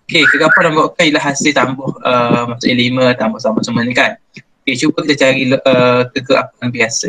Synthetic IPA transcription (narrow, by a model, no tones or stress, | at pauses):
okekəɡapalaŋbaʔkanilaɦasɪlt̪ambʊhəmasuʔelimə̃t̪ambʊht̪ambʊhsəmənĩkan | oket͡ʃubəkit̪at͡ʃaɾilət̪əɡəʔa̰paŋbiasə